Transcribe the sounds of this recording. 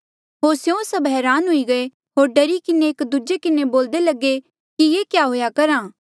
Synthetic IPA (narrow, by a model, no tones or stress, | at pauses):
ɦoːɾsjõsɐbɦɛːɾaːnɦʊiɡɐe | ɦoːɾɖɐɾikɪneːkd̪ud͡ʒekɪneboːld̪elɐɡe | kijeːkjaːɦoːjakɐɾaː